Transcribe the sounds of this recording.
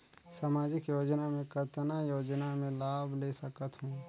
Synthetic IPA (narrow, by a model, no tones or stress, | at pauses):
saːmaːd͡ʒɪkjoːd͡ʒnamẽkət̪najoːd͡ʒnamẽlaːbʱleːsəkət̪ɦũː